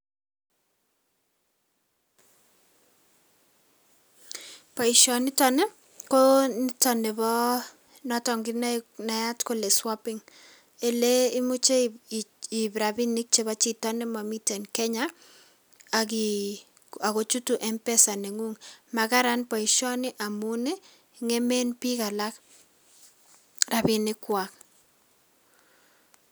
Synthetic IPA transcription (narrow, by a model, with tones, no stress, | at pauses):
pɔ˨i˨ʃɔ˨nɪ˦tɔ˦nɛ˦ | ko˦ni˦tɔ˨nɛ˨βɔ˦ | nɔ˨tɔ˨ŋɡɪ˦na˦na˨ja˦tko˦le˨swɔ˦pɪŋ | e˨le˦i˦mu˦t͡ʃe˦ | i˨bɾa˨bi˦nɪ˦k̚t͡ʃe˦βa˦t͡ʃi˦tɔ˦nɪ˦mɔ˨mi˦te˨nkɛ˦ɲaː˨ | ki˨ | a˨ko˨t͡ʃu˦tu˨ʔɛ˦mpɛ˦sa˨ne˨ŋu˦ŋma˨ka˦ɾa˦npɔ˨i˨ʃɔ˦nɪ˦ʔa˨mu˦ne˦˨ | ŋe˦me˦npi˦ka˨la˦k | ra˨bi˨nɪ˦kwa˨k̚